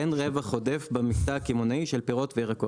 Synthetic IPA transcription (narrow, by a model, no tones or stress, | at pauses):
enʁevaχo̞defbamiktaːkimonaiʃelpeʁo̞tveiʁako